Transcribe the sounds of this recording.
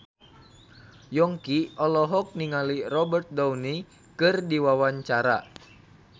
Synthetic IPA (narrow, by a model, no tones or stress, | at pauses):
jɔŋkiɔlɔɦɔk̚niŋalirɔbərt̪̚dawni | kɨrdiwawaɲt͡ʃaɾa̰